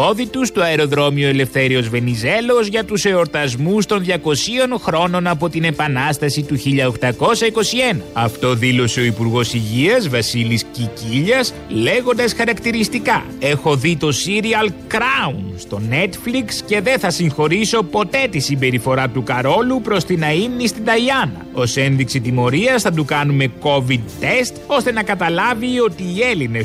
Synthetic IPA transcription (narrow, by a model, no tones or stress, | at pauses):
o̞ðit̪ust̪uɐeɾo̞ðɾo̞miue̞le̞fθe̞ɾio̞zve̞nize̞lo̞zʝɐt̪use̞o̞ɾt̪ɐzmust̪o̞nðʝɐko̞sio̞nxɾo̞no̞nɐpo̞t̪ine̞pɐnɐst̪ɐsit̪uçiʎɐo̞xt̪ɐko̞sɐiko̞sie̞nɐɐft̪o̞ðilo̞se̞o̞ipuɾɣo̞siʝiɐzvɐsilisciciʎɐs | le̞ɣo̞nd̪ɐsxɐɾɐkt̪iɾist̪ikɐ | e̞xo̞ðit̪o̞siɾiɐlkɾɐunst̪o̞ne̞t̪fliksce̞ðe̞θɐsiŋxo̞ɾiso̞po̞t̪e̞t̪isimbe̞ɾifo̞ɾɐt̪ukɐɾo̞lupɾo̞st̪inɐimnist̪id̪ɐiɐnɐ̰o̞se̞nðiksit̪imo̞ɾiɐsθɐd̪ukɐnume̞ko̞vid̪̚t̪e̞st̪o̞st̪e̞nɐkɐt̪ɐlɐvio̞t̪iːe̞line